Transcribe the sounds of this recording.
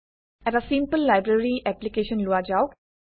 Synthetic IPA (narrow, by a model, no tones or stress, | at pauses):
ɛɾasimpəlːajbɹaɹiʔɛplikeʃɔnload͡ʒaʊ